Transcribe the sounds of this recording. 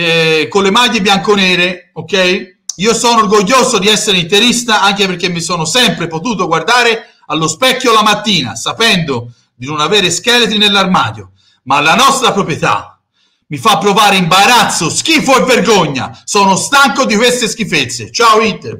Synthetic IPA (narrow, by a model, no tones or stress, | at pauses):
ɛkonlemaɡibjaŋkonɛːɾeokːɛj | iːosɔːnorɡoʎːoːzod̪iɛsːeɾeint̪eɾist̪aʔaŋk̟eperk̟ːemːisɔːnosɛmpɾepot̪uːt̪̬oɡward̪aːɾe | alːospɛkːjolamat̪ːiːna̰sapɛnd̪o | d̪inonavɛːɾeskɛlet̪ɾinelːarma̰ːd̪jo̰ | malːanɔst̪ɾapɾopɾjet̪a̰ | mifapːɾovaːɾeimbaɾat̪sːosk̟ifɔjverɡoɲːa̰sɔːnost̪aŋkod̪ikwest̪esk̟ifet̪sːḛt͡ʃaoit̪ːḛ